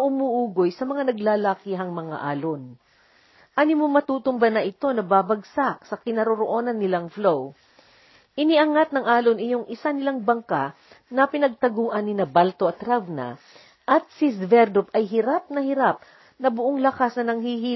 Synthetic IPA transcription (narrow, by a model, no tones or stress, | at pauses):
ʔʊmuːʔuːɡojsɐmɐŋanɐɡlaːlaːkiɦɐŋmɐŋa̰ʔaːlon | ʔanɪmoŋmːɐt̪uːt̪ʊmbɐnɐʔɪt̪o̞nɐbabɐɡsaʔsɐkɪnɐɾoɾoʔo̞nɐnːɪlaŋflow | ʔɪnɪʔɐŋat̪̚nɐŋʔaːlonʔɪjoŋʔɪsanɪlaŋbɐŋka | nɐpɪnɐɡ̚t̪ɐɡuːʔɐnːɪnɐbalt̪o̞ʔɐt̪ɾavnɐ̰ | ʔɐt̪̚sisvɛɾd̪ʊpɐjɦɪɾap̚nɐhɪɾap̚ | nɐbʊʔoŋlɐkasnɐnɐŋhiːɦi